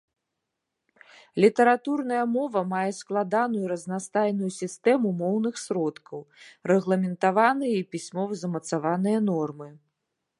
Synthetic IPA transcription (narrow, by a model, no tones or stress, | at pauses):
lʲit̪ɛɾat̪urnɐjɐmɔvɐmajɛsklˠad̪anujuɾɐznast̪ajnujusʲist̪ɛmumɔwnɨxsɾɔt̪kʰɐwrɛɣlˠɐmʲɛnt̪avanɨjɐipʲisʲmɔvzɐmɐt̪savanɨjɐnɔrmɨ